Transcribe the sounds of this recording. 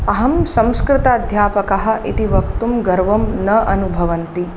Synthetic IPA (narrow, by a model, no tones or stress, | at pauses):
ɐɦɐmsɐ̃mskɾɪt̪ɐːd̪ʱjaːpɐkɐɦɐ̆ʔit̪iʋɐk̚t̪umɡɐɾʋɐmnɐʔɐnubʱɐʋɐnt̪i